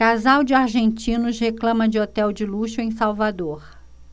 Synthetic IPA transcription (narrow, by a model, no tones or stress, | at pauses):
kazawd͡ʒɪaɾʒẽnt͡ʃĩnʊʃheklɐ̃mɐd͡ʒɪot̪ɛwd͡ʒɪluʃʊẽj̃sawvad̪oɾ